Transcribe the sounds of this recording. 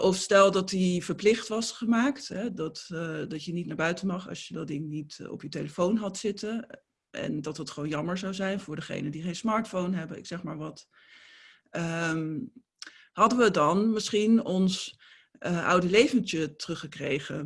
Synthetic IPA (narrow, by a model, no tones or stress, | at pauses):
ʔɔfstɛlˠdɑtivəɹplɪχtʋɑsχəmaːktɦɛdɑtdɑtjənitnaːɹbœɥtənmɑχɑ̰ʃjədɑdɪŋnitɔ̰pjəteləfownɦɑtsɪtən | ʔɛ̰ndɑtɦətχʋownjɑməɹzawzɛjnvʊːɹdəχḛjnədiχejnsmɑːɹtfownɦɛbəɪ̰ksɛχmaːɹʋɑt | əm | hɑdəʋədɑnmɪsχinɔns | ʔɑ̰wdəlejvəntətərɵχəkrejχə